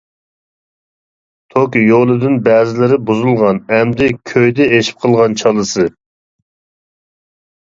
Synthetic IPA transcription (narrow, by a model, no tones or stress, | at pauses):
t̪ʰokʲjolˠɨd̪ɨnbɛːzɪlɪɾɪbuzulˠʁɑnɛmd̪ɪkʲʰøjd̪ɪeʃi̥p̚qʰəlˠʁɑnt͡ʃʰɑlˠɨsɨ